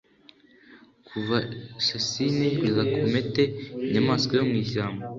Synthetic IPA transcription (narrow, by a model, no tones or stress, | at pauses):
kʰuvaʃasinewizakumetenamaːskojomŋiːʃaːmbo